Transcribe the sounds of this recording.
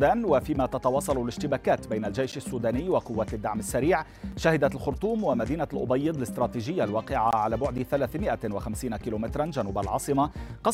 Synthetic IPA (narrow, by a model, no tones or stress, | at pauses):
d̪aːnwafiːmat̪ɑt̪ɑwɑːsˤɑlʊlɪʃt̪ɪbaːkaːt̪bajnalʒejʃasːuːd̪aːnɪːwaqʊwːaːt̪d̪ːaʕmasːaɾiːʕ | ʃahɪd̪alxʊɾt̪ˤuːmwamad̪iːnalʔʊ̰bɑjːɪd̪ˤlɪst̪ɾˤɑːt̪iːʒɪjːalwɑːqɪʕaʕalaːbʊʕd̪ɪθalaːθmɪʔawaxamsiːnakiːloːmɪt̪ɾˤanʒanuːbalʕɑ̰ːsˤɨmaqɑ